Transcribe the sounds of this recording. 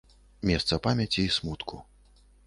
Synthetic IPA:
mʲɛst̪sɐpamʲɐt͡sʲiːsmut̪kʰu

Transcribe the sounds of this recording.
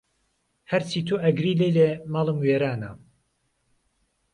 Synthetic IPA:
hɐɾt͡sʰiːt̪ʰuʔɐɡɾiːlejlemɑlˠɨmweːɾaːna̰

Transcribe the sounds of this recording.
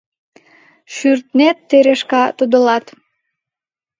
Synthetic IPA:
ʃyrt̪net̪ːeɾeʃkɑt̪ud̪əlɑt̪

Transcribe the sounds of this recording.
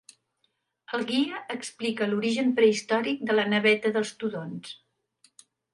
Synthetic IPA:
əlˠɣiəːksplikəluɾiʒəmpɾəist̪ɔɾik̚d̪ələnəβɛt̪əðəlˠst̪uðons

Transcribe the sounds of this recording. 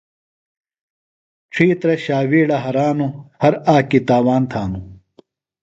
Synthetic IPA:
ʈ͡ʂʰiːt̪ɾɐɕaːwiːɽɐɦɐɾaːnuhɐɾaːkit̪aːwaːnt̪ʰaːnu

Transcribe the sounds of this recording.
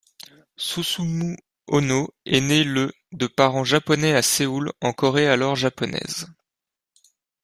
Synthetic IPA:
susumu | ɔnoɛnelə | d̪əpaʁɑ̃ʒapɔnɛaseulɑ̃kɔʁealɔʁʒapɔnɛ̰z

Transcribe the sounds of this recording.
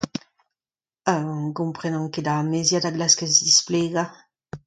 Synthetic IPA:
aɡumpχɛnɔŋked̪amezjad̪aɡlaskesd̪isplɛɡa

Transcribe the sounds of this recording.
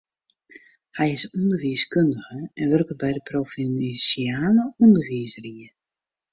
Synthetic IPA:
hɛjɪsundərʋiəskʏndəɣəɛnʋørkəbɛjdəprofinsiaːnəundərʋiəsəriə

